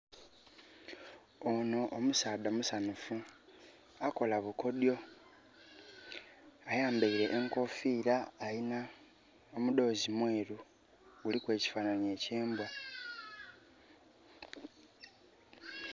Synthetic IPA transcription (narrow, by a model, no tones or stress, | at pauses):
ono̞ʔomusaːdamusanufu | ako̞laβuko̞djo̞ | ajaːmbaiɾe̞ʔːŋko̞fiːɾaːina | omud̪o̞ːzimweːɾu | ɡulikwe̞ːci̥faːnaɲie̞ːceːmba